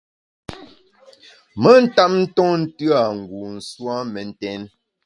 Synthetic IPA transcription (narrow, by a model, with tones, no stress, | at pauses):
mə˦n̩˦ta˦p̚n̩˦tɔ˦n̩˦tɰa˨ŋ̩˨ɡu˨n̩˨swa˦mɛ˨n̩˦tɛ˦n